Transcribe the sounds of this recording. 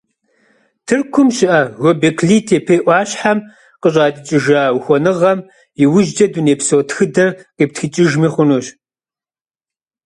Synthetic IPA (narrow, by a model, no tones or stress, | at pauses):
tʰɨrkʷʰʊmʃɪʔɐɣɔbekʰɮiːtʰeːpʰeːʔʷɑːɕħam | qəɕ̬ʼaːtʼɨt͡ʃʼɪʒaːwxʷɔnɨʁɐm | iwʊʒd͡ʒɐduneːpsoːtxɨdɐrqiːp̚txɨt͡ʃʼɪʒmiχʷʊnoːɕ